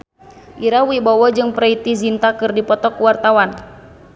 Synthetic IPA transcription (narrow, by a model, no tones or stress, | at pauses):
ʔiɾawibɔwɔd͡ʒɨŋpɾait̪izint̪akɨrdipɔt̪ɔkuwart̪awan